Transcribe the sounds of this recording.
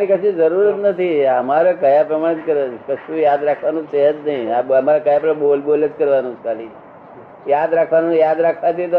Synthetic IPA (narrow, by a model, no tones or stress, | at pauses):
ənikəʃũd͡ʒəɾuɾət̪nət̪ʰiəmaɾakəjapɾəmaɽ̃ət͡ʃkəɾʋakəʃũjad̪ɾakʰʋanũt͡ʃəɦət̪nəɦĩaəmaɾakəjapə̃bolbolət͡ʃkəɾʋanũt͡ʃʰkali | jad̪ɾakʰʋanũjad̪ɾakʰʋat̪it̪o